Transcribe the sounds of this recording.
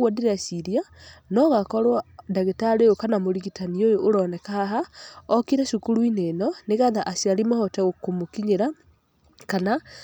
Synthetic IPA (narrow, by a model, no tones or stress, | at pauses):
wadeɾeasiɾianɔɣakɔɾwadaɣetaɾejokanamoɾiɣitaniojoʔːɾɔnɛkaaɦaɔkiɾɛʃukuɾuinenɔneɣaðaʔasiaɾimɔhɔtɛɣokomokiɲeɾa | kana